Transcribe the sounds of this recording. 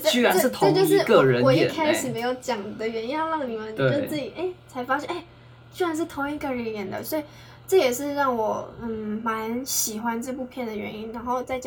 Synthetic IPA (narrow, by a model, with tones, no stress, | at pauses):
y˥˩a˧˦˥t̪ʰt͡ɕjo˥˧ʊʂɻ̩˥˩ə˧˨˧ɻə˧˦nwɔ˨˩i˥˨˩kʰa˥ɪʂɻ̩˨˩me˧˥ɪjo˧˥ʊt͡ɕjɑ˨˩ŋd̪ə˦ɥɛ˧˥ni˥na˥˧lɑ˥˩ŋd̪ə˩mi˧˥ŋwə˧no˥˧˥t͡s̩˥˩t͡ɕi˨˩ʔe˥˩ɪt͡sʰa˧˥ɪfa˥ɕjɛ˥˩ne˥˩ɪ | t͡ɕy˥˩ɻa˧˥nʂ̬ɻ̩˥˩t̪ʰo˧˥ŋi˧˥kə˧ɻə˧˥jɛ˨˧˩nd̪ə̰˨swɔ˧˥i˨˩ | ʈ͡ʂɤ˥˩jɛ˨˩ʂɻ̩˥˧ɻɑ˥˩ŋwɔ˨˩˥ma˧˥˦nə˧nɕi˨˩xwa˦nʈ͡ʂə˥˧pu˥˧pʰjɛ˥˩nd̪ə˩ɥɛ̰˧˥ni˥nɻa˧˥nxo˥˧ʊt͡sa˥˩ɪt͡ɕɑ˨˩